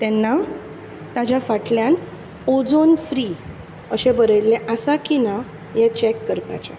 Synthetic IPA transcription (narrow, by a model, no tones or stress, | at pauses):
t̪ɛnːa | t̪ad͡ʑafaʈljan | od͡zonfɾi | əɕẽbəɾəjlːɛ̃ʔasakina | jɛt͡ɕɛkːəɾpa̰t͡ɕa̰